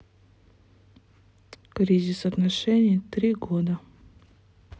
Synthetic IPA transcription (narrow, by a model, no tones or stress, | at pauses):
kɾʲizʲɪsɐt̪nɐʂɛnʲɪjt̪ɾʲiɡod̪ə